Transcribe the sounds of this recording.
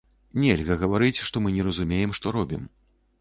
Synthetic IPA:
nʲɛlʲɣɐɣɐvaɾɨt͡sʲʂt̪ɔmɨnʲɛrɐzumʲejɛmʂt̪ɔɾɔbʲḭm

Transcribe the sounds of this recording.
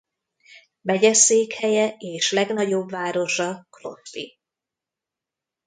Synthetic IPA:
bɛɟɛseːkhɛjɛeːʃlɛɡnɒɟo̞bvaːɾo̞ʒɒklo̞̰t̪pḭ

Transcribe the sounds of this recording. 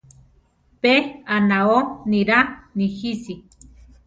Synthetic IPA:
peanaoniɾanihisi

